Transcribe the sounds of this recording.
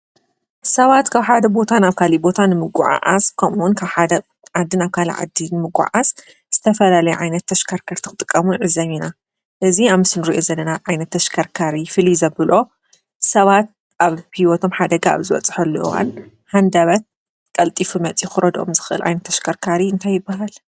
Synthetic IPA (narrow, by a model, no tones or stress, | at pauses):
sɐβat̪kʰaβħad̪ɐbo̞t̪ʰanaβkʰalibo̞t̪ʰanɨmɨɡʼuʕa̰ʔa̰skʰɐmunkʰaβħad̪ɐ | ʕad̪ːɨnaβkʰalḭʕa̰d̪ːinɨmɨɡʷʼṵʕas | z̥ɨt̪ʰɐfɐlalɐjuʕajnɐt̪ʰːɐʃkʰaɾkʰaɾt̪ʰɨkʰɨt̪ʼɨkʼːɐmuʕɨzɐmina | ʔɨziaβmɨsɨnɨɾiʔozɐlːɐnaʕajnɐt̪ʰːɐʃkʰaɾkʰaɾifɨlizɐbɨlʔo̞ | sɐβat̪̚ | ʔaβhiwɔt̪ʰo̞mħad̪ɐɡaa̰βzɨβɐ̰t͡sʼħɐlːwa̰n | hand̪aβɐt̪̚ | kʼɐlt̪ʼifumɐt͡sʼixɨɾɐd̪ʔo̞̰mzɨxɨʔɨ̰lʕa̰jnɐt̪ʰːɐʃkʰaɾkʰaɾiɨnt̪ʰajːɨbːaɦal